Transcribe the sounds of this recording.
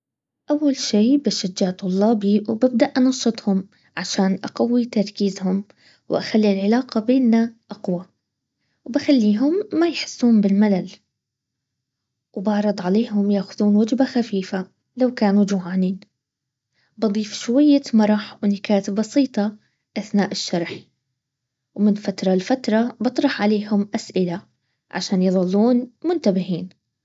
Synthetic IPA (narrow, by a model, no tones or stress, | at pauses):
ʔawːalʃiːbaʃad͡ʒːaːʕt̪ˤʊlːɑːbiwbab̚d̪aʔʔɑnɑʃːɨt̪ˤhʊm | ʕaʃaːnʔaqawːit̪ɑɾˤkiːzhʊm | wʔaxalːilʕɪlaːqɑbeːnːaʔaqwa | wbaxalːiːɦʊmːajħɪ̥sːuːmbɪlmalal | wbɑʕɾˤɑd̪ˤʕaleːɦʊmjaːxʊðuːnwad͡ʒbaxafiːfa | lawkaːnud͡ʒuʕaːniːn | bɑd̪ˤiːfʃwajːamɑɾˤɑħwnakaːt̪ɪbːɑsiːt̪ˤɑ | ʔaθnaːʔɪʃːɑɾˤħ | wmɪnfat̪ɾˤɑlfat̪ɾˤɑbɑt̪ˤɾˤɑħʕaleːhʊmʔasʔɪla | ʕa̰ʃaːnjɨðˤɑlːuːnmʊnt̪abɪhiːn